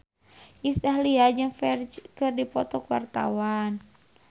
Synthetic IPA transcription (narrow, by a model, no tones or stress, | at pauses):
ʔist̪aɦliad͡ʒɨŋfɛrd͡ʒkɨrdipɔt̪ɔkuwa̰rt̪a̰wan